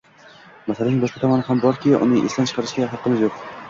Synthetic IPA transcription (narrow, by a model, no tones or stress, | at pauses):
masalanɪŋbɒʃqɑt̪ʰɒmɒnɪɦambɒɾkʲʰɪʊ̰nɪʔest̪ant͡ʃʰɨ̥qʰɑɾɪʃɡʲaɦɑqːɨmɪzjoq